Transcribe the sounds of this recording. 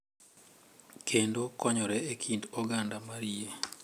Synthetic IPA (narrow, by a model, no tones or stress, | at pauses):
kʰendokɔɲɔɾɛekʰindɔɡandamaɾie